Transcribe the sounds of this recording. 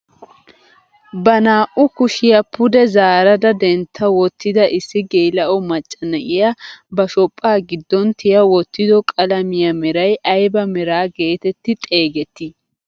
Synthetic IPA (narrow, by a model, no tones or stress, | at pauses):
bɐnaːʔʊkʊʃɪjɐpʰʊd̪ɛzaːɾɐd̪ɐd̪ɛnt̪ʰːɐwɔt̪ːɪd̪ɐʔɪsːɪɡeːlɐʔɔmɐt͡ʃʼːɐnɐʔɪjabɐʃɔpʼːaːɡɪd̪ːɔnt̪ʰɪjɐwɔt̪ːɪd̪ɔkʼɐlɐmɪjɐmɛɾɐjʔɐjbɐmɛɾaːɡe̞ːt̪ɛt̪ːɪt̪ʼe̞ːɡɛt̪ːɪ